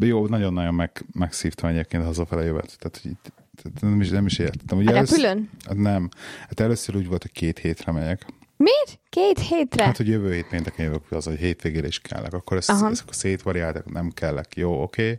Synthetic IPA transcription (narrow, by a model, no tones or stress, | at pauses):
joːnɒɟo̞nːɒjo̞mmɛkmɛksiːft̪ʰɒmɛɟeːp̚keːnt̪ɒzofɛlɛjøvɛ̰t̪t̪ːɛːt̪hoɟḭːt̪ː | t̪ɛmiʃnɛmiʃeːɾɛt̪ɛt̪ːɛmuːɟløsyløna̰nɛmat̪ɛløːsøɾuːɟʋolt̪ho̞ckeːt̪heːt̪rɛmɛɲɛk | meːɾkeːt̪heːt̪rɛhaːt̪hoɟjøvøːheːt̪peːnt̪ɛkɛnjøvøːkɒzoɦeːt̪ʋeːɡeːɾɛiʃkʰɛ̰lːʔɛ̰kɒkːo̞ɾɛsɦskoseːt̪ʋɒɾiaːlt̪ɛknɛmkɛlːɛ̰kjoːokʰeː